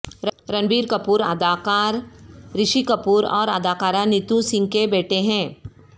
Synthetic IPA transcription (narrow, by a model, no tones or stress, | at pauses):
ɾɐ̃nbiːɾkɐpuːɾa̰ːd̪aːkaːɾɾɪʃikɐpuːɾɔːɾaːd̪aːkaːɾanɪt̪ũsɪ̃ŋɡ̚kebɛːʈʰeɦɛ̃ː